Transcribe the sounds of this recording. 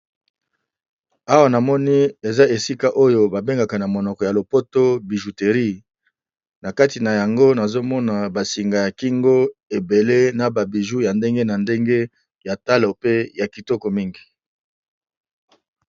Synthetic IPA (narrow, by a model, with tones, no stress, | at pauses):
a˦wa˦˨na˨mɔ˦ni˦e˨za˦e˨si˦ka˦ʔo˦jo˦ba˨be˦ŋɡa˨ka˨na˨mo˨nɔ˨kɔ˨ja˨lo˨po˦to˦bi˨ʒu˨te˨ʁi˦ | na˨ka˦ti˨na˨ja˨ŋɡo˦na˨zo˦mɔ˦na˨ba˨si˨ŋɡa˨ja˨ki˦ŋɡo˦e˨be˨le˦na˨ba˨bi˨ʒu˦ja˨nde˦ŋɡe˦na˨nde˦ŋɡe˦ | ja˨ta˦lo˨pe˦ja˨ki˨tɔ˦kɔ˨mi˦ŋɡi˨